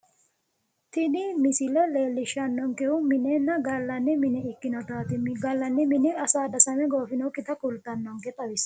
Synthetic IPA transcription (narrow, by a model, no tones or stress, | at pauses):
t̪ɪnɪmɪsɪlɛleːlːɪʃɐnːɔŋkɛʊmɪnɛnːɐɡɐlːɐnːɛmɪnɛɪkːɪnɐt̪aːt̪ɪmɡɐlːɐnːɛmɪnɛɐsaːd̪ɐsɐmɛɡoːfɪnɔkʼɪt̪ɐkʊlt̪ːɐnːɔŋkɛt̪ʼɐbɪs